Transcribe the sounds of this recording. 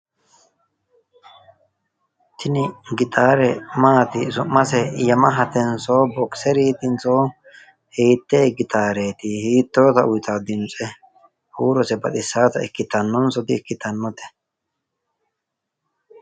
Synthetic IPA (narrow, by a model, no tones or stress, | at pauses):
t̪ʰɪnɪɡɪt̪ʼaːɾɛmaːt̪ɪsʊmːɐsɛjɐmɐɦɐt̪ɛnso̞ːbɔksɛɾiːt̪ɪnt͡so̞ː | hiːt̪ːeːɡɪt̪aːɾeːt̪ɪhiːt̪ːo̞ːt̪ɐʔʊjɪt̪aːd̪ɪnt͡sʼɛ | huːɾɔsɛbɐɗ̪ɪsːaːt̪ɐɪkːɪt̪ɐnːɔnsɔt̪ɪːkːɪt̪ɐnːɔt̪ɛ̥